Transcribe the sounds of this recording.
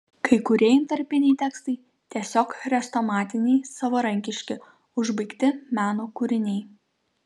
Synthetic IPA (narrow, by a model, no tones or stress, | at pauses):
kɐɪkʊɾʲeɛjmt̪ɐɾʲpʲɪnʲɛɪt̪ʲæːkst̪ɐɪ | t̪ʲiɛsʲoːkɾʲɛst̪omɑːt̪ʲɪnʲɛɪsɐʋɐɾɐŋʲkʲɪʃʲkʲɪ | ʊʒbɐɪkt̪ʲɪmʲæːnoːkʊɾʲɪnʲɛɪ